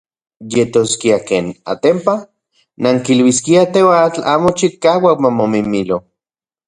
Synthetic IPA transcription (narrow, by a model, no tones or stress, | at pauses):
jet̪oskiakeːna̰t̪empa | naŋkilwiskiat̪ewat͡ɬa̰ːmot͡ʃikaːwakmamomimilo